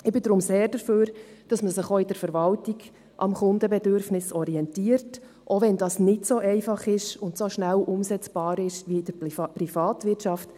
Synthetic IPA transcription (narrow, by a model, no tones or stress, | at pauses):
ɪbɪdɾʊmseːɾd̥əɾføːɾd̥ɑsməsəχoɪd̥əɾfɛɾʋɑltiɡ | ʔɑ̰mχʊndəbɛdøɾfnɪsɔɾiɛntiːəɾt | ʔoʋɛndɑsnɪtsoʔɛɪfɑχɪʃʊntsoʃnælʔʊmsɛt͡sb̥ɑːɾɪʃʋiɪd̥əpɾifɑːtʋɪtʃɑft